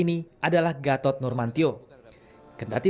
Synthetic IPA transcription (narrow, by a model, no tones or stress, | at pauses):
iniʔadalahɡat̪ɔt̪̚nɔrmant̪io | kənda̰t̪i